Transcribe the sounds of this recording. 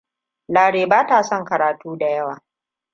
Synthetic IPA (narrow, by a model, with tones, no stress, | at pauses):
laː˨ɽeː˨baː˦taː˨sɔ˦˨ŋkɐ˨ɾaː˨tuː˦da˨jɐ˦waː˨